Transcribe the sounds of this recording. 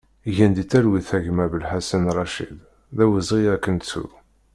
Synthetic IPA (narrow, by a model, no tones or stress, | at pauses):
ʝænd̪it͡sːæɾwiθæʝmævəlħasinrˤːɑʃḭl | ðæwəzʁiækːənt͡sṵ